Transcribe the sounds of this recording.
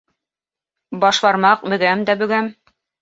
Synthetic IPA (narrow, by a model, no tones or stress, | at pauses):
bɑʃbɑɾmɑq̚bɵ̆ɡæmd̪æbɵ̆ɡæm